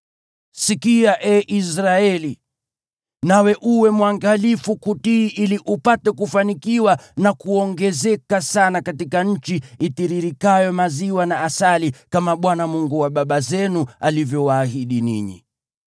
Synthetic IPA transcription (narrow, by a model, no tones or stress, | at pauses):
sikiaʔɛʔisɾaɛli | nawɛʔuwɛmwaŋɡalifukutiʔiliʔupatɛkufanikiwanakuɔŋɡɛzɛkasanakatikaɲ̩t͡ʃiitiɾiɾikajɔmaziwanaːsalikamaɓwanamuŋɡuwaɓaɓazɛnualivjɔwaːhiɗinḭɲḭ